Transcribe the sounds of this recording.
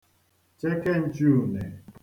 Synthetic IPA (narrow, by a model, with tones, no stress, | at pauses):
t͡ʃe˦ke˦˨n̩˦t͡ʃu˦u˨ne˨